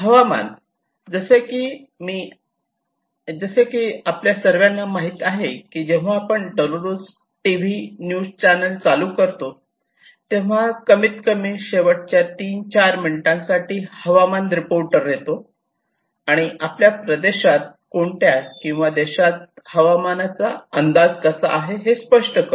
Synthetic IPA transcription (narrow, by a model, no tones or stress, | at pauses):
ɦəʋama̰n | d͡zəsekiː | miː | d͡zəsekiːapljasəɾʋjanːamaɦiːt̪aɦekiːd͡ʑeʋ̤aːpəɳɖɔloɾus | ʈiʋ̤injud͡zt͡ɕanəlt͡salukəɾt̪o | t̪eʋ̤akəmit̪kəmiːnɕeʋəʈ̚t͡ɕjat̪iːnt͡ɕaɾminiʈãŋsaʈiːhəʋamanɾipoɾʈəɾːet̪o | aɽ̃iʔapljapɾəd̪eɕat̪̚koɳʈjakĩw̃ʋad̪eɕat̪̚həʋamanat͡sa̰ənd̪ad͡zkəsəʔaɦeɦespəʂʈəkə